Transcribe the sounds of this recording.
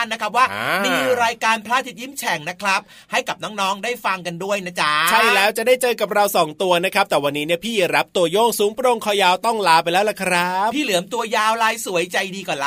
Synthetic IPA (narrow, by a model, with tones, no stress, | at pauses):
nːa˦˥kʰɾa˦˥p̚waː˥˩miː˧ɾaː˧jkaː˧npʰlaː˥˩t̪ʰi˦˥t̪̚jiː˦˥˩mt͡ɕʰɛ˨˩˦ŋna˦˥kʰɾa˦˥p̚ | ha˥˩jka˨˩p̚nɔː˦˥ŋnɔː˦˥ŋdaː˥˩jfa˧ŋka˧ndu˥˩əjna˦˥t͡ɕa˦t͡ɕʰa˥˩lɛː˦˥wt͡ɕa˨˩ʔdaː˥˩jt͡ɕɤː˧ka˨˩p̚ɾa˧wsɔː˩˦ŋt̪u˧ɐna˦˥kʰɾa˦˥p̚t̪ɛː˨˩wa˧nːiː˦˥ni˥˩əpʰiː˥˩ɾa˦˥p̚t̪u˧ɐjoː˥˩ŋsuː˩˦mpɾo˧ŋkʰɔː˧˩jaː˧wt̪ɔ˥˩ŋlaː˨˦pa˧jlɛː˦˥wla˨˩kʰɾa˦˥p̚pʰiː˥˩lɯ˩˦əmt̪u˧ɐjaː˧wlaː˧jsu˩˦əjt͡ɕa˧jdiː˧kɔː˨˩la˦